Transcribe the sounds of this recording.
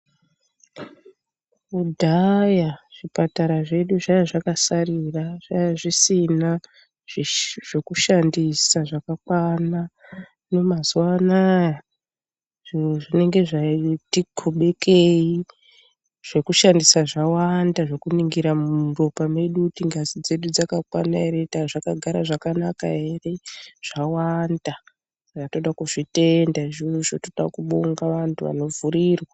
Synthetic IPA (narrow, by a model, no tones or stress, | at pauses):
udʱajaʐ̥ipataɾaʐe̞ɗuʐajaʐakasariraʐ̥ajaʐisina | ʐe̞kuʃandisaʐakakwana | no̞mazuwanaja | ʐʐine̞ŋɡe̞ʐatiɡʰoɓe̞kʰei | ʐ̥e̞kuʃandisaʐawandaʐe̞kuniŋɡiɾamuro̞pame̞ɗutiŋɡazid͡ze̞ɗud͡zakakwanaeɾe̞taʐakaɡʱaɾaʐakanaka̰e̞re̞ʐ̥awanda | ʐato̞ɗakuʐite̞ndaʐiʃotoɗa̰kuɓoŋɡaʋantʰuʋa̰no̞vuɾiːrwa